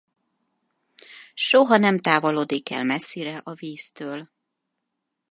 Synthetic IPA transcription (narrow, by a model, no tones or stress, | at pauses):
ʃoɦɒnɛmt̪aːvoloːd̪ikɛ̰lmɛsːiɾɛʔɒviːst̪øːl